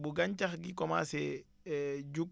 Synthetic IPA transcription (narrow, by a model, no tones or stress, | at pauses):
buɡaɲt͡ʃaxɡikɔma̰sɛ | d͡ʒukː